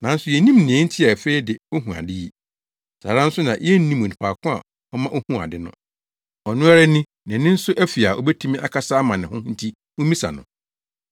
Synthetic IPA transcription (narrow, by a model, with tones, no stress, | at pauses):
nã˨n̩˦sʊ˨jɛ˨nĩ˦mnɪ̃˨ɛ̃˦n̩˦tʰɪ˦a˨fe˦i˦dɪ˨o˦ɦũ˨a̰˨dɪ˦ji˦ | sa̰ː˨ɾã˦n̩˦sʊ˦nã˨ʔɛ˦n˦nĩ˦mʊ̃˨nĩ˨pʰaː˨kʰʊ̃˦a̰˨ | ɔ˦mã˦ʔo˦hũ˦a̰˨dɪ˦nʊ̰̃˦ | ɔ˨nʊ̃˦a˦ɾa˦nɪ̃˦ | nɪ̃˨nɪ̃˦n̩˦sʊ˦ʔæ˦fi˨a˨ʔɔ̰˨bɛ˦tʰu˦mĩ˦ʔa˦kʰa˦saː˦mã˨nɪ̃˨hʊ̃˦hn̩˦tʰi˦ | ʊ̃˦mĩ˦sa̰˨nʊ̰̃˨